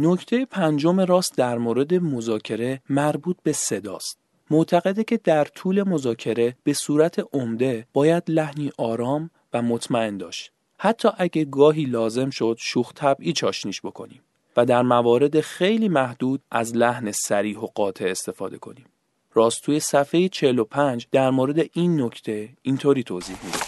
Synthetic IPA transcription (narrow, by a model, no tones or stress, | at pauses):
no̞cʰt̪ʰe̞jepʰænd͡ʒo̞meɾɒːst̪d̪æɾmoːɾe̞d̪e̞mo̞zɒːcʰe̞ɾe̞mæɾbuːt̪̚ʰbe̞se̞d̪ɒ̰ːst̪ | moʔt̪ʰæɣe̞d̪e̞cʰe̞d̪æɾt̪ʰuːle̞mo̞zɒːcʰe̞ɾe̞b̥e̞suːɾæt̪ʰe̞ʔomd̪e̞b̥ɒːjæd̪læhniːʔɒːɾɒːm | væmo̞t̪ʰmæe̞nd̪ɒ̰ːʃt̪ | hæt̪ʰːɒːʔæɟeɡɒːɦiːlɒːze̞mʃo̞d̪̥ʃuːxt̪ʰæbʔiːt͡ʃʰɒːʃniːʃbo̞kʰo̞̰niːm | væd̪æɾmævɒːɾe̞d̪e̞xejliːmæhd̪̥uːd̪̥̚ʔæzlæhnesæɾiːɦo̞ɡɒːt̪ʰe̞est̪e̞fɒ̰ːd̪e̞̰kʰo̞̰niːm | rɒːst̪ʰuːjesæfe̞jet͡ʃʰelo̞pʰænd͡ʒd̪æɾmoːɾe̞d̪e̞ʔiːnːo̞cʰt̪ʰe̞int̪ʰoɾiːt̪ʰoːziːhmid̪e̥